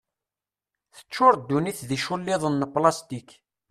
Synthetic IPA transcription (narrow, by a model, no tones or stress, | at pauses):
θə̥t͡ʃːʊɾˤd̪ːuniθðiʃʊlːɪðˤənːplɑst̪ik